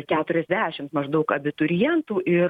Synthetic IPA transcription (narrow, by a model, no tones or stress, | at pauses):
kʲæːt̪ʊɾʲɛzʲd̪ʲæːʃʲɪmt̪mɐʒd̪ɐʊkɐbʲɪt̪ʊɾʲɪjɛnt̪uːʔɪ